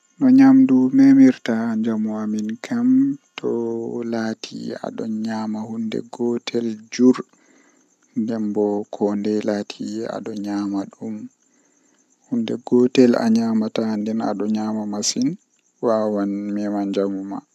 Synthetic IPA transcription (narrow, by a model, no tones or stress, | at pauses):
nɔɲamdumɛmiɾtaɲd͡ʒamuaminkʰamtʰɔlaːtʰḭa̰ɗɔ̰ɲaːmahundɛ̰ɡɔtʰɛld͡ʒuɾ | ndɛmbɔkʰɔndɛlatʰia̰ɗɔɲaːmaɗum | hundɛɡɔtɛla̰ɲaːmatandɛna̰ɗɔɲaːmamasin | wawanmɛmaɲd͡ʒamuma̰